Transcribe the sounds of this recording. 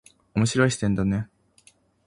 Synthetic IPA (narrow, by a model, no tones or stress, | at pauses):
omo̞ɕiɾo̞iɕt̪ẽ̞nd̪ane